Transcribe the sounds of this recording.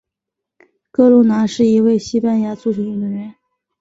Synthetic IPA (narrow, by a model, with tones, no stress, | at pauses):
kɤ˥˧lu˥na˧˥ʂɻ̩˥˩i˧˥we˥˩ɪɕi˥pa˥˩nja˧˥t͡su˥˩ʈ͡ʂʰu˧˩i˥˩ə˧˥nɥɛ˧˥n